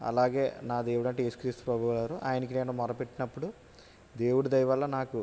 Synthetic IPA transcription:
ɐ̰laːɡe̞ːnaːd̪e̞ːwuɽɐɳʈeesu̥kɾist̪u̥pɾɐbʱuʋlaːɾuʔa̰ːjɐnɐk̬ineːnumɔɾɐpeʈːinɐpːuɽu | d̪e̞ːwuɽud̪ɐjʋɐlːɐnaːku

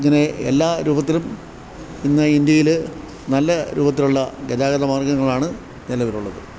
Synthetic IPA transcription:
ŋːɐneḛlːaːɾuːbɐt̪̬ːilum | inːɐind̪jɐjil | nɐlːɐɾʔṵːbɐt̪̬ːiluɭːɐɡed̪aːɡɐðɐmaːrɡɐŋːɐɭaːɳɨ | nilɐʋɐɾuɭːɐðɨ

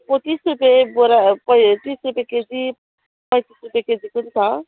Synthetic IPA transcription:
pot̪isɾupeboɾapət̪iːsɾupeked͡zi | pajt̪isɾupeked͡zikunt̪ʰa

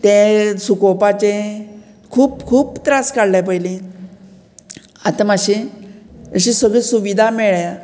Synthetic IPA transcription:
t̪ẽsukopat͡ɕe | kʰuːpkʰuːpt̪ɾaskaɽlap̬əjli | at̪amaɕi | əɕĩsəɡɭisuʋid̪ʱameɭja

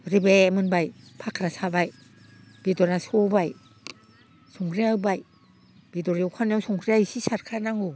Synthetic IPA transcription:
ɾibɛmɯnbajpʰakʰɾasʰabaj | b̥idɔɾasobaj | suŋkʰɾiawbaj | b̥idoɾiwkʰanewsuŋkʰɾiajsisatkʰanaŋo

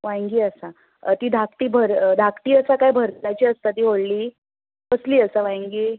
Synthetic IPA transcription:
ʋãjŋɡiːəsa | t̪iːd̪ʱak̚ʈ̪iːbʱəɾd̪ʱakʈ̪iːəsakajbʱəɾt̪ajt͡ɕiːəst̪at̪iːɦoɽliː | pəsliːəsaʋãjŋɡiː

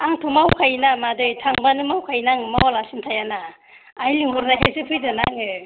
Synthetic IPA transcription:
aŋtʰumawkʰajnamadɯjtʰaŋbanɯmawkʰajnaŋɯmawalasintʰajanaː | jliŋuɾnaɦʰajsɯpʰɯjdɯnaŋɯ

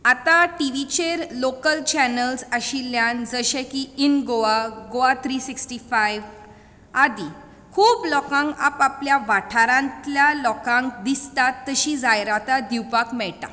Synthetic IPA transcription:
at̪aʈiʋit͡ɕeɾlokəlt͡ɕænəlsəɕiljand͡zəɕɛ̃kiinɡoaɡoat̪ʰɾiːsiksʈifajʋ | ad̪i | kʰuːblɔkãŋɡa̰papljaʋaʈʰaɾãnt̪ljalɔkãŋkd̪ist̪at̪ːəɕid͡zajɾat̪ad̪iwpakmɛɭʈa̰

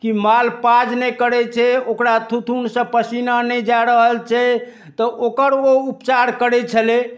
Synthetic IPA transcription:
kimalpad͡ʒnɛkəɾɛt͡ʃʰɛokɾat̪ʰut̪ʰunsə̃pəsinanɛd͡ʒaɾəɦəlt͡ʃʰɛ | t̪ɔʔokəɾoupt͡ʃaɾkəɾɛt͡ʃʰəle

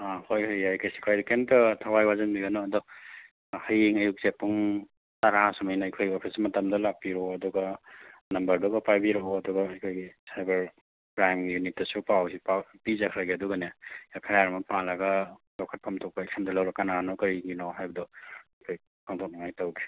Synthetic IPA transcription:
ahojhajajkʰajsi̥kʰɾajdikentɔtʰawajwazɐnbiɡɐnɔɐdɔ | hɐjiŋɐjuk̚zepːuŋ | taɾasɐmɐjnɐɐjkʰojɡiɔpʰismɐtɐmdɐlak̚piɾɔɐduɡɐnɐmbɐɾdɔɡɐpajbiɾɔɐduɡɐːjkʰojɡisajbɐɾ | bɾaŋkjunitːɐsupawsipapizakʰɾaɡiɐduɡɐnejakʰajaɾɐmɐpalɐɡɐlɔkʰɐt̚pʰamtʰɔk̚paeksamdɐlɐwɾɐkananɔkɐɾiŋɡinawɦajbɐdɔɐjkʰoj | kʰaŋtʰɔk̚nɐŋajtɐwɡi̥

